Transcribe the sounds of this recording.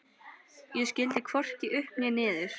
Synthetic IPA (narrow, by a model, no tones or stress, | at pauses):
jɛscɪlt̪ɪkʰvɔr̥ciʔʏhpmjɛnɪːðɪɾ̥